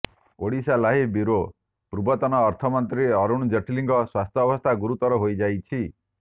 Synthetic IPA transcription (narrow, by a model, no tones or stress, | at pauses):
oɽisalaɦibiɾo | pɾubɔt̪ɔnɔːɾt̪ʰɔmɔnt̪ɾiɔɾuɽ̃d͡ʒeʈʰliŋɡɔswast̪ʰjɔbɔst̪ʰaɡuɾut̪ɔɾɔɦojd͡ʒajt͡ʃʰi